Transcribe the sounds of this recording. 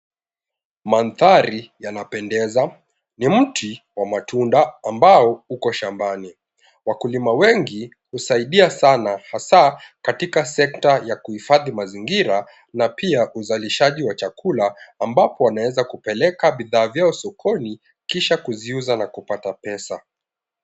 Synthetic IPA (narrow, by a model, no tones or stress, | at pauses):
manθaɾijanapɛndɛza | nim̩tiwamatundaːmbaɔukɔʃambani | wakulimawɛŋɡi | husaiɗiasanahasakatikasɛk̚tajakuhifaðimaziŋɡiɾa | napiaʔuzaliʃaʄiwat͡ʃakulaːmbapɔwanawɛzakupɛlɛkaɓiðaːvjaɔsɔkʰɔni | kiʃakuziuzanakupatapɛsa